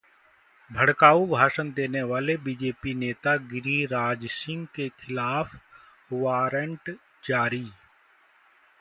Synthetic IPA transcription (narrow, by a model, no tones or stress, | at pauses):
bʱəɽkaːubʱaːʃənd̪eːneʋaːlebiːd͡ʒeːpineːt̪aɡɪɾiɾaːd͡ʒsɪ̃ŋɡkekʰɪlaːp | ʋaːɾəɳʈ | d͡ʒaːɾiː